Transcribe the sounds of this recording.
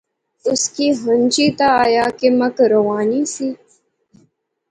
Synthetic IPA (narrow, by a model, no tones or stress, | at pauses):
ʊskiːɦənʲt͡ʃiːt̪ajaːkemɐkɾɐwaːniːsiː